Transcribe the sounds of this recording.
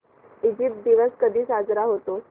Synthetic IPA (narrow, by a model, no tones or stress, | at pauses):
id͡ʑip̚t̪̚d̪iʋəskəd̪ʱiːsad͡zɾaɦot̪o